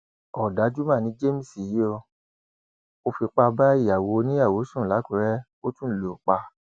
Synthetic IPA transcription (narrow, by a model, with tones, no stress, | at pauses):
ɔ˨da˨˦d͡ʒu˦mã˦˨nĩ˧˦d͡ʒe˦mĩ˨si˨ji˦o˧ | o˧fi˧k͡pa˧ba˦i˦˨ja˨wo˨˧nĩ˦a˦˨wo˨˦sũ˦˨la˨˦kũ˨˧˦ɾɛ˦ | o˦tũ˦lo˨k͡pa˧